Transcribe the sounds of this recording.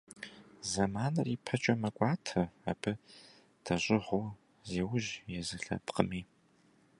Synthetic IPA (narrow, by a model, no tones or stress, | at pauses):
zɐmaːnɐriːpʰɐt͡ʃʼɐmɐkʷʼɑːtʰɐab̥ɨ | d̥ɐɕʼɪʁʊ | zeːwʊʒjɛzɨɬɐ̰pqəmiː